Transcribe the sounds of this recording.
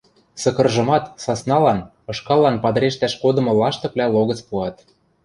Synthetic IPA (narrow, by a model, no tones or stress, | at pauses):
sɤ̆kɤ̆rʒɤ̆mɑt̪sɑsnɑlɑn | ɤ̆ʃkɑlɑnpɑd̪̆ɾeʃt̪æʃkod̪ɤ̆mɤ̆lɑʃt̪ɤ̆plʲæloɣɤ̆t͡spuɑt̪